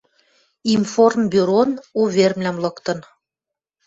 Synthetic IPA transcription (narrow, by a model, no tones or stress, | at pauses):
imformbyɾonuβermlæmlɤ̆kt̪ɤ̆n